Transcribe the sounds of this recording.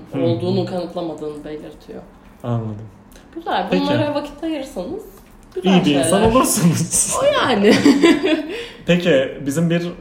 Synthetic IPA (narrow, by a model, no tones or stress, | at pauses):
o̞lˠd̪uːnunkʰanɯt̪ʰlˠamad̪ɯːnɯbe̞lʲiɾt̪ʰijo̰ | anlˠad̪ɯm | ɟ̥yzælʲbunˠaɾavacʰi̥t̪ʰːajɯɾsɯnɯz̥ | ɟ̥yzijibiinsanolˠaɾsɯnɯz̥jaːnɪ | pecibizimbiɾ